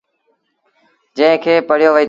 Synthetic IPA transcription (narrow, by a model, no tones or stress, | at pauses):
d͡ʒə̃ɪ̃kʰeːpəɽ̤joːʋəiː